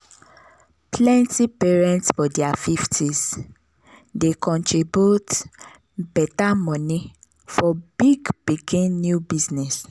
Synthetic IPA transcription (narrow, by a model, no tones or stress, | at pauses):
plɛ̃ntipɛɹɛ̃ntsfɔdiafiftʰis | dekɔ̃ntɹibjut | bɛtamɔ̃nĩ | fɔbiɡpikĩnːjubiznɛs